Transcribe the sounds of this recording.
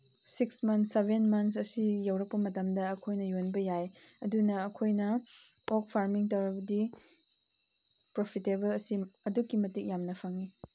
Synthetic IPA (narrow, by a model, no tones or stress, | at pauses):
siksmɐnsebʱenmɐnsɐsijɐwɾɐk̚pɐmɐtɐmdɐɐkʰojnɐjonbɐjajɐdunɐːkʰojnɐ | ok̚pʰaɾmiŋtɐwɾɐbɐdi | pɾopʰitebɐlɐsiɐdukːimɐtik̚jamnɐpʰaŋi